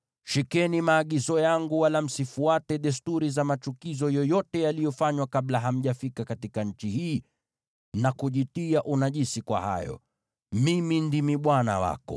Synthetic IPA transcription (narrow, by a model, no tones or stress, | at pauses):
ʃikɛnimaːɠizɔjaŋɡuwalam̩sifuatɛɗɛs̬tuɾizamat͡ʃukizɔjɔjɔtɛjalijɔfaɲwakaɓlaɦam̩ʄafikakatikaɲ̩t͡ʃihiː | nakuʄitiaʔunaʄisikwa̰ha̰jɔ̰ | mimindimiɓwana̰wa̰kɔ̰